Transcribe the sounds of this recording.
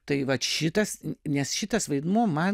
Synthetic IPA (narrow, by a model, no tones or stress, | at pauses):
t̪ɐɪʋɐt̪ʃʲɪt̪ɐsnʲɛsʃʲɪt̪ɐsʋɐɪd̪muɔmɐn